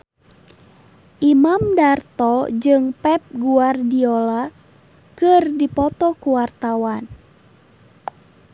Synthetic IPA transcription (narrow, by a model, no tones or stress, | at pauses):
ʔimamdart̪ɔd͡ʒɨŋpɛp̚ɡuardiola | kɨrdipɔt̪ɔkuwart̪awan